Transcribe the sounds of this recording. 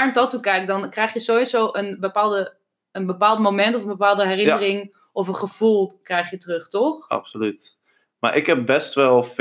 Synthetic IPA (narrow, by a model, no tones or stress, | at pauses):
ɛɹntɔtukɛjk̚dɔnkrɛjxjəsoisoːʔənbəpaːlˠdə | ənbəpaːlˠtmomɛntɔfənbəpaːlˠdəɦɛrɪnərɪŋ | ʔɔfənχəv̥ulˠkrɛjxjətrøχtɔxɑ̰psolyt | ma̰ɹʔɪkɦɛp̚bɛstʋɛlˠf